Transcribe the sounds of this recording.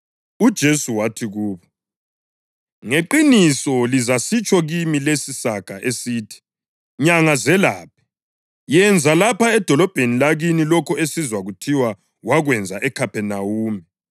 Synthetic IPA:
ud̥ʒ̥ʱesuwatʰiɣuːβɔ | ŋeǃinisɔlizasit͡ʃʼɔɣimilesisakʼaʔesiːtʰi̥ | ɲaŋazɛlaːp̚ʰi̥ | jɛnd͡zʱalapʰaɛd̥ʱɔlɔb̥ʱenilaɣinilɔkʰɔesizwaɣutʰiwa | waɣwɛnd͡zʱaʔɛkʰapɛnawuːmi

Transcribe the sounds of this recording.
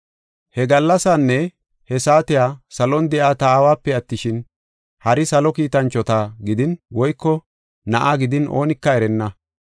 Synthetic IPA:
hɛɡɐlːɐsanːɛ | hɛsaːt̪ɪjaːsɐlɔnd̪ɛʔaːt̪aːwaːpːɛɐt̪ːɪʃɪn | hɐɾɪsɐlɔkiːt̪ɐnt͡ʃːɔt̪aɡɪd̪ɪnwɔjkːɔ | nɐʔaːɡɪd̪ɪnʔo̞̰ːnɪkːɐɛɾɛnːɐ

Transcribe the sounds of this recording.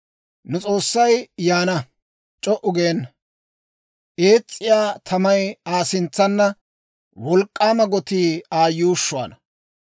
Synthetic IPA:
nʊt͡sʼo̞ːsːɐjjaːnɐ | t͡ʃʼɔʔʊɡeːn | ʔe̞ːt͡sʼːɪjaːt̪ʰɐmɐjaːsɪnt͡sːɐnːɐ | wɔlkʼːaːmɐɡɔt̪iːaːjuːʃːʊa̰ːnɐ

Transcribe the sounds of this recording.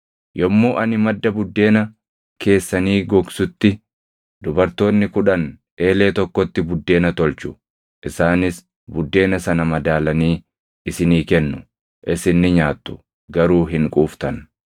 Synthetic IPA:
jɔmːoːʔɐnɪmɐd̪ːɐbʊd̪ːe̞ːnɐ | kʰe̞ːsːɐniːɡɔɡsʊt̪ːɪ | d̪ʊbɐɾt̪o̞ːnːɪkʊᶑɐnᶑe̞ːle̞ːt̪ɔkːɔt̪ːɪbʊd̪ːe̞ːnɐt̪ɔlt͡ʃʊ̥ | ʔɪsaːnɪs | bʊd̪ːe̞ːnɐsɐnɐmɐd̪aːlɐniː | ʔɪsɪniːkɛnːʊ | ʔɪsɪnːɪɲaːt̪ːʊ̥ | ɡɐɾuːɦɪŋkʼuːft̪ɐn

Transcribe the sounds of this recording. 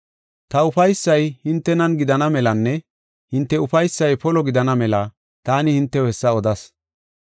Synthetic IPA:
t̪ɐʊfɐjsːɐjhɪnt̪ːɛnɐnɡɪd̪ɐnɐmɛlɐnːɛ | hɪnt̪ːɛʊfɐjsːɐjpɔlɔɡɪd̪ɐnɐmɛlɐ | t̪aːnɪhɪnt̪ːɛwɛsːɐɔd̪ɐs

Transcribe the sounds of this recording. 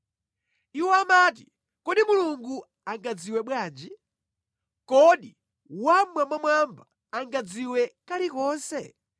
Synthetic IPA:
iwɔamat̬i | kɔɗimuluŋɡu | aŋɡad͡ziwɛɓwaːnd͡ʒi | kɔɗi | wamwambamwambaː | ŋɡad͡ziwɛkaɾikɔːnsɛ

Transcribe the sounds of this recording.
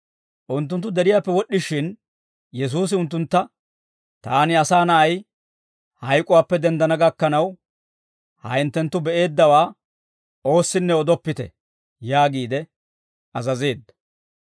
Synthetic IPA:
ʔʊnt̪ːʊnt̪ːʊd̪ɛɾɪjaːpːɛwɔɗːɪʃɪn | jɛs̬uːs̬ɪʊnt̪ːʊnt̪ːɐ | t̪aːnɪɐsaːnɐʔɐj | hɐjkʼʊwaːpːɛd̪ɛnd̪ɐnɐɡɐkːɐnɐw | hɐɪnt̪ːɛnt̪ːʊbɛʔe̞ːd̪ːɐwaː | o̞ːsːɪnːɛɔd̪ɔpːɪt̪ɛ̰ | jaːɡiːd̪ɛ | ɐzɐze̞ːd̪ːɐ

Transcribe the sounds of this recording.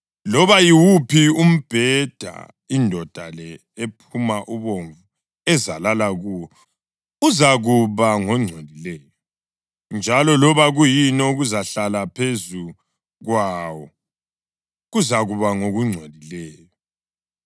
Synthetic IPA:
lɔβajiwupʰium̩b̥ʱɛd̥ʱa̰ | indʱɔd̥ʱalɛ | epʰumaʔuβoɱvu | ɛzalalaɣuːwɔ | uzaɣuβaŋɔŋ͡ǀʱelilɛːjɔ | nd͡ʒʱalɔlɔβaɣujinɔuɣuzaɬalapʰezu | ɣwaːwɔ | ɣuzaɣuβaŋoɣuŋ͡ǀʱelilɛːjɔ

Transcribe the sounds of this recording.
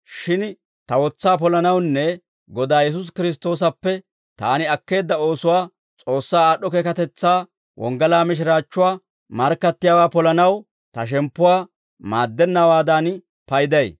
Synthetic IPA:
ʃɪn | t̪ɐwɔt͡sːaːp̬ɔlɐnɐwnːɛ | ɡɔd̪aːjɛs̬ʊs̬kɪɾɪs̬t̪o̞ːs̬ɐpːɛ | t̪aːnɪɐkːe̞ːd̪ːɐo̞ːsʊwaː | t͡sʼo̞ːsːaːaːɗːɔkeːkɐt̪ɛt͡sːaː | wʔɔ̰ŋɡɐlaːmɪʃ̬ɾaːt͡ʃːʊwaː | mɐɾkːɐt̪ːɪjaːwaːpɔlɐnɐw | t̪ɐʃ̬ɛmpːʊwaː | maːd̪ːɛnːɐwaːd̪aːn | pɐjd̪ɐj

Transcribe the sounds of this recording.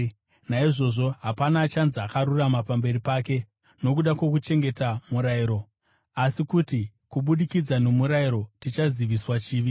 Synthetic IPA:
naiʐo̞ʐo̞ɦapanaːt͡ʃanzakaɾuramapambe̞ɾipaːke̞ | no̞kuɗakwe̞kut͡ʃe̞ŋɡe̞tamuɾaiɾo̞ | asikuti | kuɓuɗikid͡zano̞muɾaiɾo̞tit͡ʃaziʋiswat͡ʃiːʋi

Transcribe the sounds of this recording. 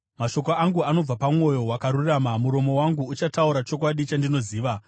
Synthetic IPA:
maʃo̞koaŋɡuano̞b͡vapamwo̞jo̞wakaɾuramamuɾo̞mo̞waŋɡuːt͡ʃatauɾat͡ʃo̞kwaɗit͡ʃandino̞ziːʋa

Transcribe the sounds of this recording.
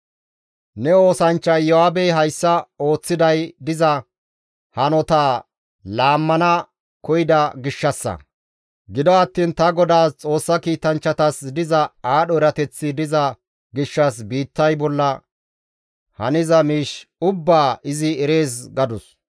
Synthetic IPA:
nɛo̞ːsɐnt͡ʃːɐjjɔaːbɛjɦɐjsːɐo̞ːt͡sːɪd̪ɐjd̪ɪzɐ | hɐnɔt̪aː | laːmːɐnɐ | kɔjɪd̪ɐɡɪʃːɐsːɐ̰ | ɡɪd̪ɔɐt̪ːiːnt̪ɐɡɔd̪aːst͡sʼo̞ːsːɐkiːt̪ɐnt͡ʃːɐt̪ɐsd̪ɪzɐaːɗɔɛɾɐt̪ɛt͡sːɪd̪ɪzɐ | ɡɪʃːɐs̬biːt̪ːɐjbɔlːɐ | hɐnɪzɐmiːʃʊbːaːɪzɪɛɾe̞ːsɡɐd̪ʊs

